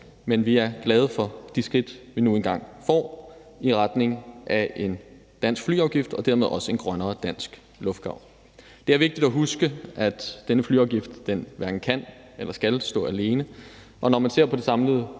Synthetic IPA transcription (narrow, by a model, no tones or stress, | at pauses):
menʋiæɐɡ̥lɛð̞ˠəfɒ̽d̥isɡ̥ʁid̥ʋinue̝nɡ̥ɑ̈ŋ̰fɒ̰ːiʁad̥ne̝ŋʔæʔe̝n | d̥æn̰sɡ̥fly̰ːɑ̈ʊɡ̥ifd̥ɒ̽d̥æɐme̝ð̞ˠɒ̽səe̝nɡ̥ʁɶnɐːd̥æn̰sɡ̥ | lɔ̽fd̥̚ɡ̥ɑ̈ʊ̰ | d̥e̝æɐʋe̝ɡ̥d̥id̥æɦusɡ̥əʔæd̥d̥enəfly̰ːɑ̈ʊɡ̥ifd̥ːenʋæɐɡ̥n̩kʰæn̰ | elɐsɡ̥ælsd̥ɔ̰̽ːæle̝ːnə | ʔɒ̽nɒmænse̝ɐ̰pʰɒ̽d̥e̝sɑ̈mləð̞̩ˠ